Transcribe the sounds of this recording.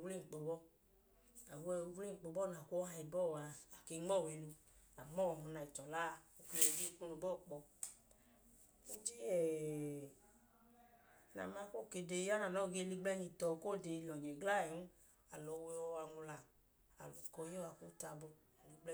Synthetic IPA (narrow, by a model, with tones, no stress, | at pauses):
wle˦˨ŋ͡m̩˨k͡po˨bɔ˦ | a˨wwle˦˨k͡po˧bɔ˦na˨ko˦a˧i˧bɔ˦˨wa˨˧a˨ke˧˦ŋ͡mɔ˦˨we˧˨lu˧ | a˨mɔ˦˨ɔ˧na˧˨i˨t͡ʃɔ˨la˦˧˨o˧˨ke˧e˨˧˨ɡe˦ku˦nu˧˨bɔ˦˨k͡pɔ˧ | o˦d͡ʒe˦ɛ˨ | na̰˨ma˧˦ko˦˨ke˧˨de˧˦a˦na˨nɔ˦˨ɡe˧li˧ɡ͡blɛ˦ɲi˨tɔ˨˧ko˦˨de˧˨lɔ˨d͡ʒe˨ɡla˦˨ɛ˨nu˦ | a˨lɔ˨˧we˧ɔ˧wa˧ŋu˧la˧˨ | a̰˨lɔ˨kɔ˧je˦wa˧˨ko˦ta˧bo˧˨ | li˧ɡ͡b